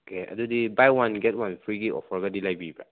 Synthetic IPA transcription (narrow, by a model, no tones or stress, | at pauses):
okʰea̰dudibajwãnɡɛt̚wãnfɹiɡiʔɔ̰fɔɹɡadilajbiba̰